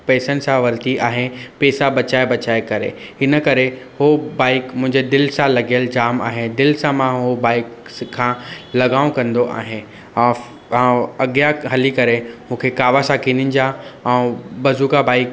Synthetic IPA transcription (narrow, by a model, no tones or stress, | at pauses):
pɛːsənɪ̆sãʋɐɾt̪iʔaːɦɪpeːsabɐt͡ɕaːebɐt͡ɕaːekɐɾḛɪnəkɐɾe | hobaːɪkmʊ̃ɦɪ̃ɲd͡ʑed̪ɪlsãlɐɡijəld͡ʑaːma̰ːɦed̪ɪlsãmãɦobaːɪkʰːãːlɐɡaːʋõkɐ̃nd̪oʔa̰ːɦɪñː | ɐɠjaɦɐlikɐɾemũːkʰekaːʋasãkĩːnɪnɪ̆d͡ʑaɛ̃ːbɐzuːkabaːɪk